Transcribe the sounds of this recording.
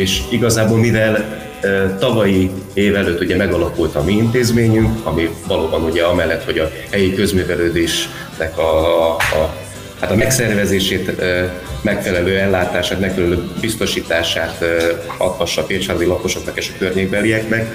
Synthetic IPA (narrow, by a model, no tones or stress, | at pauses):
eːʃiɡɒzaːboːlmivɛl | t̪ɒvɒjieːvɛløːt̪ːuɟɛmɛɡɒlɒkult̪ɒmiint̪eːzmeːɲyŋkɒmivɒloːbɒnuɟɛɒmɛlːɛt̪ho̞ɟɒ | hɛjikø̞zmyːvɛløːd̪eːʃ | nɛkɒ | hat̪ɒmɛksɛrvɛzeːʃeːt̪ː | mɛkfɛlɛløːɛlːaːt̪aːʃaːt̪mɛkfɛlɛløːbist̪o̞ʃiːt̪aːʃaːt̪ɒ̰pːɒʃːɒfeːt͡ʃaɾd̪ilɒko̞ʃo̞knɒkeːʃɒ̥kørɲeːɡ̚bɛlijɛknɛk